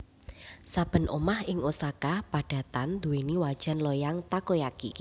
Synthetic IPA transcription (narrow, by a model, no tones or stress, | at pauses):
sab̥ə̤nʔo̰mahɪŋosakapaɖ̥a̤t̪and̪uweniwad̥ʒ̥a̤nlɔjaŋt̪akojakḭ